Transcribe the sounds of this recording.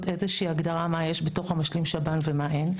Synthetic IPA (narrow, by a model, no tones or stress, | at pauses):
t̪e̞zeʃiːaɡdaʁamajeʃbe̞to̞χhamaʃlimʃabanvemaʔe̞n